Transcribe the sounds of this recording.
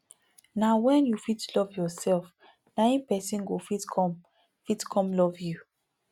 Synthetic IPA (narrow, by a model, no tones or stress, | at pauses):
nawɛ̃njufitlɔvjɔsɛlf | nãɪ̃npɛsĩnɡofitkʰɔ̃m | fitkʰɔ̃mlɔvju